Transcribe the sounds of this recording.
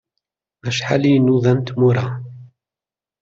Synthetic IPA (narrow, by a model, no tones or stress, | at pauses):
æʃħa̰linuðænt̪muɾˤa